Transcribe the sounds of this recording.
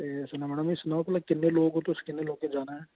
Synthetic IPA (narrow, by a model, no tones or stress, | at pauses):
esɐnaməɽ̃amĩsnaːpɐlakɪnːeloːɡɦot̪oskɪnːeloːɡ̚ked͡ʒaːneɦɛ̃ː